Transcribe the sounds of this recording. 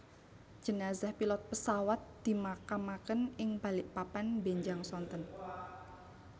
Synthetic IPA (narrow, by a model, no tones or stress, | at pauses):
d͡ʒ̥ənazahpilɔt̪̚pəsawat̪̚d̪̥i̤makamakənɪŋb̥a̤lɪʔpapanbeɲd͡ʒaŋsɔnt̪ɔn